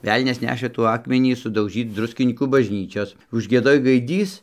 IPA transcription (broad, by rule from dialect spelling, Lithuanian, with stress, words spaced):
ˈʋʲɛlʲnʲɛs ˈnʲæːʃɘ ˈtuː ˈɑːkmʲɛnʲiː sʊdɐʊˈʒʲiːt͡s ˈdrʊsʲkʲɪnʲiːkuː bɐʒʲˈnʲiːt͡ʃʲoːs ʊʒʲɡʲiɛˈdoːj ɡɐɪˈdʲiːs